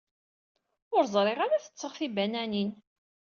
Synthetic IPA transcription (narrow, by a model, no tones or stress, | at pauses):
ʊɾzˤɾˤeʁaɾaθə̥t͡sːəʁθibænænin